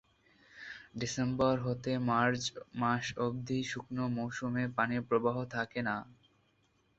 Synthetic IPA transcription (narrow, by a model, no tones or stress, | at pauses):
ɖisembɔɾɦot̪emaɾt͡ɕmaʃobd̪ʱiʃuknomowʃumepanepɾobaɦot̪ʰakena